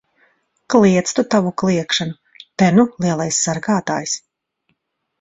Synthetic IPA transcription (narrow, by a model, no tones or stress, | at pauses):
klˠiɛt̪st̪ut̪avuklˠiɛkʃanu | t̪ɛnulˠiɛlˠajsːaɾɡaːt̪a̰ːjs